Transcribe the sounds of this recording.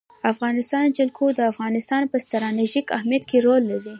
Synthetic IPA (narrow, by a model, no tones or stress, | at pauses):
afɣɑnɪst̪ɑnd͡ʒalkʰod̪əafɣɑnɪst̪ɑnpəst̪aɾɑneʒikahmjat̪keɾolːaɾi